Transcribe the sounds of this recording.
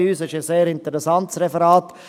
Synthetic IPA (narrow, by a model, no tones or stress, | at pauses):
yːsɪʃəseːɾɪnt̪əɾɛsɑnt̪sɾɛfəɾɑːt̪